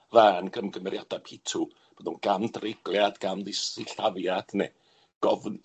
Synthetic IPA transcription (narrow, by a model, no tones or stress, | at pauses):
vaːnɡəmɡəmɛɾjad̥apʰɪtʰu | b̥onunɡ̥amdrɪɡlˠjadɡ̥amðɪsiɬavjad̥ne | ɡ̥ɔvn